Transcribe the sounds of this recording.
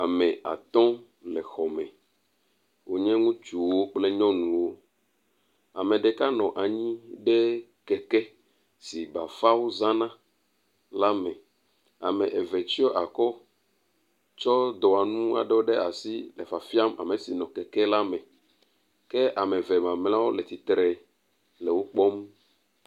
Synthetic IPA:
a˨mɛ̃˨a̰˨t̪ɔ̃˦ | lɛ˨xɔ˨mɛ̃˨ | wo˨ɲɛ̃˦ŋũ˦t͡ʃu˨wo˦k͡plɛ˦ɲɔ̃˦nũ˨wo˦ | a˨mẽ˨ɖe˨ka˦nɔ̃˨ʔa˨ɲĩ˦ɖe˦ | kɛ˨kɛ˦ | si˨ba˨fa˦wo˦zã˦nã˦ | la˦mɛ̃˨ | a̰˨mẽ˨ʔe˨vɛ˨t͡ʃi˦ɔ˦ʔa˨kɔ˦ | t͡ʃɔ˦d̪ɔ˨a˨nũ˦a̰˨ɖe˦wo˦ɖe˦a˨si˦lɛ˨fa˨fi˦a˦ma̰˨me˨si˨nɔ̃˨kɛ˨kɛ˦la˦mɛ̃˨ | ke˦ʔa˨me˨vɛ˨mã˨mlã˦wo˦lɛ˨t̪i˨t̪ɾɛ˨ | lɛ˨wo˦k͡pɔ˦m

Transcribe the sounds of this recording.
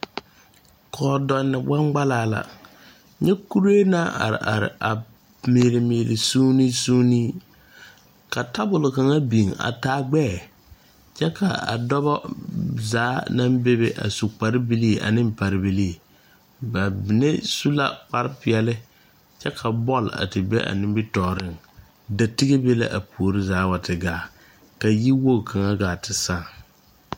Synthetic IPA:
kʰɔː˨dɔ˨nːɪ˨ba˦ŋɡ͡ba˦laː˦la̰˨ | ɲɛ˦ku˦ɾeː˦na˦ʔa̰˨ɾɪ̰˨ʔa˨ɾɪ̰˨ʔa˨ | mi˨ɾɪ˨miː˨ɾɪ˨suː˦ni˦su˦ni˦ | ka˨ta˦bʊ˨lʊ˨ka˨ŋa˦bi˨ŋa̰˨taː˦ɡ͡bɛː˦˨ | t͡ʃɛ˦ka˨a̰˨dɔ˦βɔ˦zaː˨˦na˦mbe˦be˦ʔa̰˨su˨k͡pa˨ɾɪ˦bi˦li˦˨ʔa̰˨nɪ˦mpa˨ɾɪ˦bi˦li˦˨ | ba˨bɪ˨ne˦su˦la̰˦k͡pa˦ɾɪ˦pɪ˨ɛ˦lɪ˦ | t͡ʃɛ˦kʰa˨bɔ˦˨la̰˨tɪ˨bḛ˦ʔa̰˨nɪ˦mbɪ˦tɔː˨ɾɪ˦˨ŋ | da˨tɪ˦ɡe˦be˦la̰˦ʔa˨pu˨o˨ɾɪ˦zaː˨˦wa˨tɪ˨ɡaː˨˦ | ka˨ji˦wo˦˨ka˨ŋa˦ɡaː˨tɪ˨sa˦˨ŋ

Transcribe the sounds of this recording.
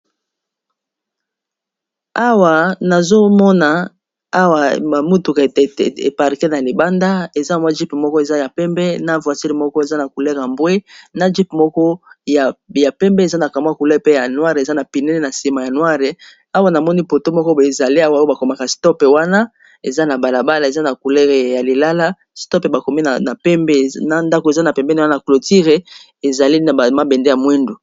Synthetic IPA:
a˦wa˨na˨zo˦mɔ˦na˨ | a˦wa˨a˨mu˦tu˨kḛ˨pa˨ʁi˨kɛ˦na˨li˨ba˦nda˦e˨za˦˨m˦a˦d͡ʒi˦pe˨mɔ˦kɔ˦e˨za˦ja˨pɛ˦mbɛ˦na˦vwa˨si˦li˨mɔ˦kɔ˦e˨za˦na˨ku˨le˦˨ka˨mbwe˦na˦d͡ʒi˦pmɔ˦kɔ˦ja˨ja˨pɛ˦mbɛ˦e˨za˦na˨ka˨m˦a˦ku˨lɛ˦˨pe˦ja˨nwa˦ʁe˨za˦na˨pi˨nɛ˦le˦na˨si˨ma˨ja˨nwa˦ʁe˨ | a˦wa˦na˨mɔ˦ni˦po˨to˦mɔ˦kɔ˦e˨za˨li˦a˦wa˦o˦ba˨ko˨ma˨ka˨stɔ˦pe˨wa˦na˦ | e˨za˦na˨ba˨la˨ba˦la˨e˨za˦na˨ku˨lɛ˦ʁe˨ja˨li˨la˦la˦ | stɔ˦pe˨ba˨ko˨mi˦na˨na˨pɛ˦mbɛ˦na˦nda˦ko˨e˨za˦na˨pɛ˨mbɛ˦n˦na˨klo˨ti˦ʁe˨ | e˨za˨li˦na˨a˨ma˦bɛ˨nde˦ja˨mwe˦ndu˨

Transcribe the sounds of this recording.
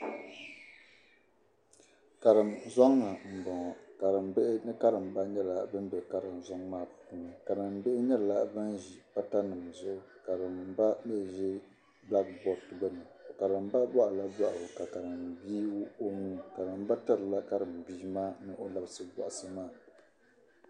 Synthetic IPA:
ka˨ɾɨ˨mzɔ˦ŋːa˨m̩˨bɔ˨ŋɔ˨ka˨ɾɨ˨mbɛ˦ʔɪ˦nɨ˦ka˦ɾɨ˨m˨ba˦ɲɛ˦la˨bɨ˦n˦bɛ˨ka˦ɾɨ˨mzɔ˦ŋmaː˦˨ppu˨nɨ˨ka˨dɨ˨m˨be˦ʔɪ˦ɲɛ˦lla˦bɨ˦nʒi˨pa˦ta˦nɨ˨m˨zʊ˦ʔʊ˦ka˨ɾɨ˨m˨˦ba˦me˦˨ʒɛ˦ | ba˦ɡ̚bɔ˨tɨ˨bɛ˦nɨ˨ka˨ɾɨ˨mba˦ba˦ʔa˨la˦ba˦ʔa˨bɨ˨ka˨ka˨ɾɨ˨mbiː˦o˦muː˦ka˨dɨ˨m˦ba˦ta˦ɾɨ˨la˦ka˦ɾɨ˨mbiː˦maː˦nɨ˦ʔo˦la˨bsɨ˨bɔ̰˨ʔa˨sɨ˦maː˦˨

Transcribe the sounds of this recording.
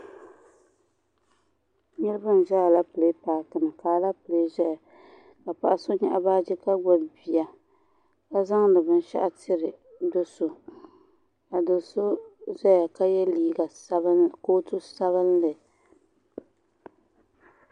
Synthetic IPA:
ɲɪ˦ɾɨ˦ba˦n˨ʒa˦a˨la˦pɨ˨le˦paː˨tɨ˨nɨ˨kaː˨˦la˦pɨ˨le˨˦ʒɛ˦ja˨ | ka˨pa˦˨ʔa˦so˦ɲɛ˦ʔa˦baː˦d͡ʒɛ˦ka˦ɡ͡ba˦bbi˨a˦ | ka˦za˦ŋnɨ˨bɨ˦n˦ʃa̰˦ʔa˦tʰɪ˦ɾɨ˨ | do˦so˨ | a˨do˨so˦zɛ˦ja˨ka˦jɛ˦liː˦ɡa˨˦koː˦tu˦sa˦βɨ˦nlɨ˨

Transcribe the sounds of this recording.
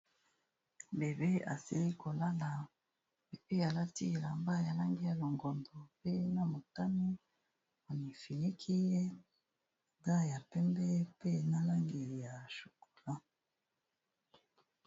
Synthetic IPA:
be˨be˦a˨si˨li˦ko˨la˦la˨ | e˨pe˦ja˨la˦ti˦˨la˨mba˦ja˨la˦ŋɡi˦ja˨lo˨ŋɡɔ˨ndo˨pe˦na˨mo˨ta˦mi˦ | o˨ni˨fi˨li˦kʰi˦je˦ | ŋɡa˦ja˨pɛ˦mbɛ˦pe˦na˦la˦ŋɡi˨li˨ja˨ʃu̥˨ko̥˨la˦

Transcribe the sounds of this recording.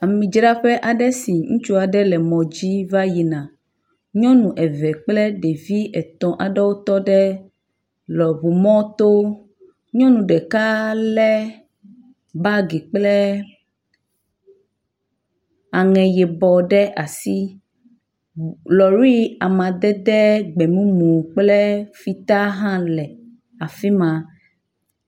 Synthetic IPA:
a˨mĩ˨d͡ʒɾa˦ɸɛ˦ʔa˨ɖɛ˦si˨ŋũ˦t͡ʃu˦a˨ɖɛ˦lɛ˨mɔ̃˨d͡ʑi˦va˦ji˨nã˨ | ɲɔ̃˦nũ˨ʔɛ˨vɛ˨k͡plɛ˦ɖe˨vi˦ʔɛ˨t̪ɔ̃˨ʔa˨ɖɛ˦wo˦t̪ɔ˦ɖɛ˦ | lɔ˨bu˨mɔ̃˦t̪o˦ | ɲɔ̃˦nũ˨ɖɛ˨ka˦lɛ˦ | ba˦ɡi˨k͡plɛ˦ | a˨ŋɛ̃˨jɛ˨bɔ˨ɖɛ˦ʔa˨si˦ | lɔ˨ɾi˦a˨mã˨d̪ɛ˦d̪ɛ˦ɡ͡bɛ˨mũ˦mũ˨k͡plɛ˦fi˦t̪a˦ɦã˦lɛ˨ | a˨fi˦mã˨

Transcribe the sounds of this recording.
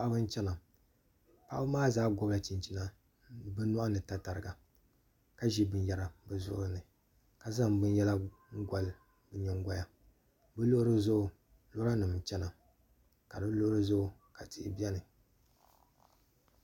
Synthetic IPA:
a˦ʔbɨ˦n˦t͡ʃɛ˦na˨ | pa˦ʔa˦ɨ˦maː˦zaː˦ɡʊ˨bla˦t͡ʃi˨nt͡ʃi˨˦na˦ | bɨ˦nɔ˦ʔa˦nɨ˨ta˨ta˨ɾɨ˨ɡa˨ | ka˦ʒi˦bɨ˨n˦jɛ˨ɾa˨bɨ˨zʊ̰˦ʔʊ˦ɾɨ˦nɨ˨ | ka˨za˦˨mbɨ˦n˦jɛ˦la˦ | ŋ̩˦ɡʷa˨l | bɨ˨ɲɛ˨ŋ˦ɡʷa˦ja˨ | bɨ˦lo˦ɾɨ˦zʊ˦ʔʊ˨ | lo˦ɾa˦nɨ˨m˨t͡ʃɛ˦na˨ | ka˨dɨ˦lo˦ʔɾɨ˦zʊ˦ʊ˨ | ka˨tḭ˨bi˦ɛ˦nɨ˨

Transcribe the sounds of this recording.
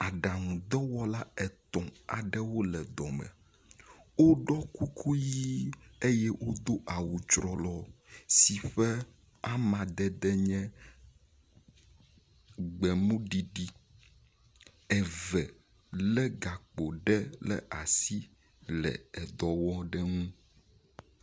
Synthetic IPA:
a˨ɖa˨ŋũ˨d̪ɔ˦wɔ˦la˦ɛ˨t̪ɔ̃˨a̰˨ɖɛ˦wo˦lɛ˨d̪ɔ˨mɛ̰˨ | wo˦ɖɔ˦ku˦kʰu˦ji˦e˦jɛ˦wʔo˦d̪o˦ʔa˨wu˨t͡ʃɾɔ˨lɔ˦si˨ɸɛ˦ | a˦mã˨d̪ɛ˦d̪ɛ˦ɲɛ̃˦ | ɡ͡bɛ˨mũ˦ɖi˨ɖi˦ | ɛ˨vɛ˨ | lɛ˦ɡa˨k͡po˨ɖɛ˦lɛ̰˨ʔa˨si˦ | lɛ̰˨ɛ˨d̪ɔ˨wɔ˦ɖɛ˦ŋũ˦

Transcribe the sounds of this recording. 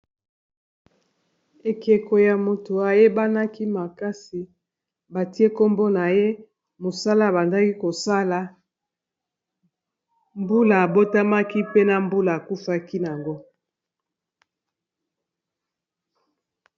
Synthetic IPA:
e˨ke˨ko˨ja˨mo˨to˨a˨je˦ba˦na˦ki˦ma˨ka˦si˨ | ba˨ti˦e˦ko˦mbo˦na˨je˦ | mo˨sa˦la˦˨ba˨nda˦ki˦ko˨sa˦la˨ | mbu˦la˨a˨bo˦ta˦ma˦ki˦pe˦na˨mbu˦la˨a˨ku˦fa˦ki˦n˨a˨ŋɡo˦

